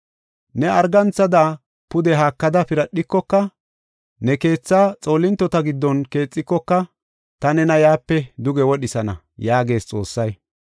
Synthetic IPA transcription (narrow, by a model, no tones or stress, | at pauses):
nɛɐɾɡɐnt͡sːɐd̪a | pʊd̪ɛɦaːkːɐd̪ɐpɪɾɐɗːɪkːɔkːɐ | nɛke̞ːt͡sːaːt͡sʼo̞ːlɪnt̪ːɔt̪ɐɡɪd̪ːɔnke̞ːt͡sʼːɪkːɔkːɐ | t̪ɐnɛnɐjaːpːɛd̪ʊɡɛwɔɗɪsɐnɐ̰ | jaːɡe̞ːst͡sʼo̞ːsːɐj